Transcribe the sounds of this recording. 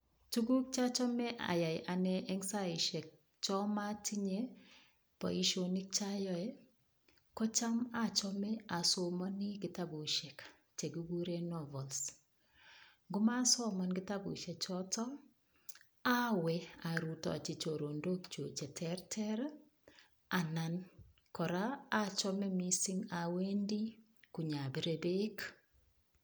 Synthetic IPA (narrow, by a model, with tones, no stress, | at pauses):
tu˦ɡu˦k̚t͡ʃa˦t͡ʃɔ˦mɛ˦ʔa̰˨ja˨jʔa˨nɛ˦ʔɛ˦ŋsa˦i˨ʃɛ˨k̚ | t͡ʃɔ˦ma˦ti˦ɲe˦ | pɔ̰˨i˦ʃo˨ni˦k̚t͡ʃa˦jɔ˦ɛ˦ | kɔ˦t͡ʃa˦ma˦t͡ʃɔ˦mɛ˦a˨so˨mɔ˦ni˦ɡɪ˦ta˦bu˨ʃe˨k | t͡ʃe˨ɡu˦ɡu˦ɾe˦nɔ˦vɔ˨ls | ŋɡʊ˦ma˦sɔ˦mɔ˨nɡɪ˦ta˦bṵ˨ʃe˨t͡ʃɔ˦tɔ˦ | a˦wɛ˨a˨ɾu˨tɔ̰˨a˨t͡ʃi˨t͡ʃo˨ɾo˨ndo˦kt͡ʃo˨t͡ʃɛ˨tʰɛ˦ɾtʰɛ˦ɾ | a˨na˨n | kɔ˨ɾaː˦t͡ʃɔ˦mɛ˦mi˦sɪ˦ŋa˨we˦ndi˦ | ku˨ɲa˨bi˨ɾe˨be˦k